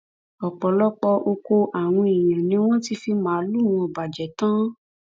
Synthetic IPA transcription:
ɔ˨k͡pɔ˨lɔ˦k͡pɔ˧ʔo˧ko˧ʔa˨w̃ɔ̃˧i˨j̃ã˨nĩ˨˦w̃ɔ̃˦ti˧fi˧mãː˦lũ˦˨ɔ̃˧ɔ˨ba˨d͡ʒɛ˨tã˦

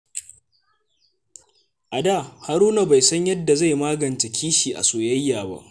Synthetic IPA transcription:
ʔa˨daː˦˨ha˨ɾuː˦na˨ba˨jsɐ˦ɲjɐ˦dːa˨za˦˨jmaː˦ɡɐ˨nt͡ʃe˨kʲʰiː˦ʃiː˨ʔa̰˨soː˨jɐ˦jːaː˨ba̰˦ʔ

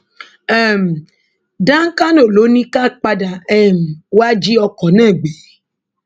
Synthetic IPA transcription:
ɛ˦˨m̩˨ | dã˦ŋ̩˦ka˦no˦˨lo˨˦nĩ˦ka˦k͡pa˧da˨ɛ˦˨m̩˨wa˦d͡ʒi˦ɔ˧kɔ˨nãː˦˨ɡ͡be˨˦

